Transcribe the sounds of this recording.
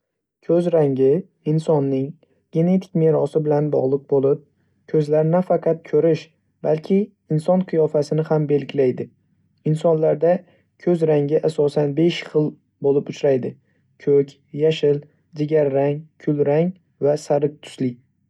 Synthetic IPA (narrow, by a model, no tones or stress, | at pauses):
kʰɵzɾaŋɡʲɪ | ɪnsɒnːɪŋ | ɡ̥ʲe̞ne̞t̪ʰɪ̥kʲmeɾɒsɪbɪlanbɒ̰ʁlˠɨq̚bolˠɪp̚ | kʲʰɵzlaɾnafɑqʰɑt̪̚kʲʰɵɾɪʃ | b̥alkʲʰɪː | nsɒnqʰɨjɒfasɪnɪhambe̞lɡʲɪlajd̪ɪ | ɪnsɒnlaɾd̪a | kʲʰɵzɾaŋʲɪʔasɒsanbe̞ʃχɨlˠ | bolɪpʊt͡ʃɾajd̪ɪ | kʲʰɵkʲ | jaʃɪl | d͡ʒ̪ɪɡʲaɾːaŋkʲʰʊlɾaŋ | vasaɾɪk̚t̪ʰʊ̥slɪ